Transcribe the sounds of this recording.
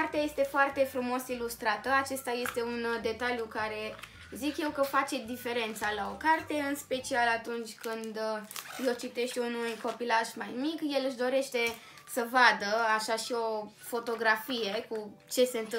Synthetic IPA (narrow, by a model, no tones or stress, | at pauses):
art̪eaje̞st̪e̞foart̪e̞fɾumo̞silust̪ɾat̪əat͡ʃe̞st̪aje̞st̪e̞und̪e̞t̪aljukaɾe̞ | zikje̞wkəfat͡ʃe̞d̪ife̞ɾe̞nt̪salao̞kart̪e̞ɨnspe̞t͡ʃialat̪unt͡ʃʲkɨnd̪jewt͡ʃit̪e̞ʃt̪ʲunujko̞pilaʒmajmikje̞lɨʃd̪o̞ɾe̞ʃt̪e̞ | səvad̪əaʃaʃio̞ | fo̞t̪o̞ɡɾafije̞kut͡ʃe̞seɨnt̪ɨ